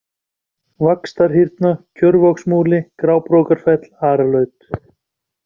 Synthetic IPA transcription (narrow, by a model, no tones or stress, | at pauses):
vakst̪aɾ̥ɦiɾt̪nacʰœɾvɔksmuːlɪkɾaːwpɾowkaɾ̥fɛt̪l̥aːɾalœːɥt̪